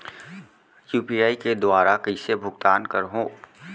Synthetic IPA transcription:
juːpijaːiked̪ʊaːɾakəisebʱʊɡt̪aːnkəɾɦõː

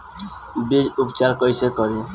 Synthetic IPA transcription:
bid͡ʒupt͡ʃaɾkɔjsekɔɾi

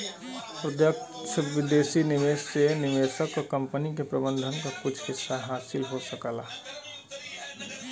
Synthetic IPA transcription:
pɾəd̪jək̚ʃəɪd̪eːsinɪʋeːssenɪʋeːsəkɔkə̃mpənik̬epɾəbə̃nd̪ʱənkakʊt͡ʃʰhɪsːaɦaːsɪlɦosəkəla̰

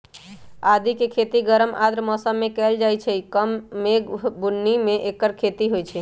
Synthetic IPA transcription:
ad̪ikekʰet̪iɡəɾəmʔad̪ɾmɔsəmːekɛld͡ʒajt͡ʃʰɛikəmːeɡbunːimeʔekːəɾkʰet̪iɦojt͡ʃʰɛ

